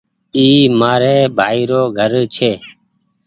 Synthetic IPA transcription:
iːmaːɾeːbʱaːiːɾoːɡʱəɾt͡ʃʰeː

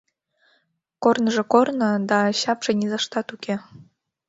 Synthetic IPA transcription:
kornəʒekornɤ̆d̪ɑɕɑpʃenʲizɑʃt̪ɑt̪ukʲe

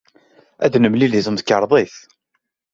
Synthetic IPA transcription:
æ̰ðnəmliliθəmθkəɾˤðˤeθ

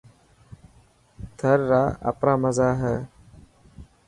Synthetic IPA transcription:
t̪ʰəɾːaːə̰pɾaːməzaːɦɛː

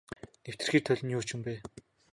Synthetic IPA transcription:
new̥t̪ɘ̆rxiːrt̪ʰœɮʲɞ̆njʊːt͡ɕʰɪ̆mpæː

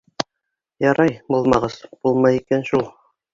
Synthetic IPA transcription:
jɑɾɑjbulˠmɑʁɤz̥b̥ulˠmɑjikænʃulˠ

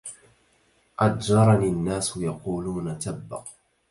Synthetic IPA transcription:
ʔad̪d͡ʒɑɾˤɑniːanːaːsjɑquːluːnat̪abːɑ̰q

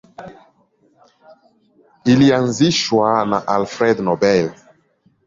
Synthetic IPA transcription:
ilianziʃwanaʔalfɾɛd̪nɔbɛl

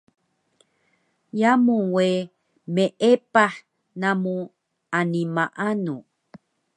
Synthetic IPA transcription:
jamuwe | meʔepaħ | namu | animaʔanu

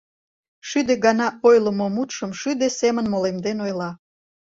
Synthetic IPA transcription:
ʃyd̪eɡɑnɑojlə̆momut̪ʃəmʃyd̪esemənmolemd̪enojlɑ

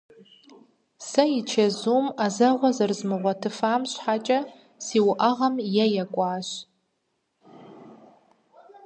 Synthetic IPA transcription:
sɐit͡ʃʰɐzuːmazɐʁʷɔzɨrzmɨʁʷɐtʰɨfaːmɕʷħat͡ʃʼɐ | siwʔaʁɐmjajakʷʼaːɕ

